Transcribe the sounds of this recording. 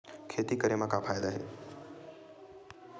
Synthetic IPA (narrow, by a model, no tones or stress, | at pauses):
kʰeːt̪ikəɾemãkãfʰaːjd̪aɦḛː